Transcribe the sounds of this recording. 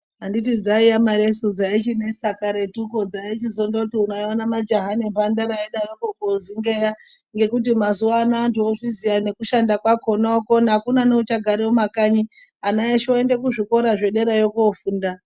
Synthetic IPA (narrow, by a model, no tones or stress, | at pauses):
ɦanditid͡zaijamaɾesud͡zait͡ʃine̞sakaɾetuko̞d͡zait͡ʃizondoutiunaonamad͡ʒaɦanempandaɾaeɗaɾokokoziŋɡe̞ja | ŋɡe̞kut̬imazuwaːnaːntuoʐizijane̞kuʃandakwako̞nookonakunaneut͡ʃaɡʱaɾewomakaɲi | anaeʃoendekuʐiko̞ɾaʐe̞ɗe̞ɾajokofuːnda